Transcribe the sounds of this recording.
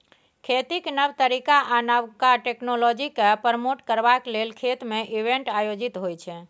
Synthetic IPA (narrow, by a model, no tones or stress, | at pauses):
kʰet̪iknəʋt̪əɾikaʔanawkaʈeknolɔd͡ʒikepəɾmoʈkəɾʋaklelkʰet̪meʔiʋẽɳʈajod͡ʒit̪ɦojt͡ʃʰɛ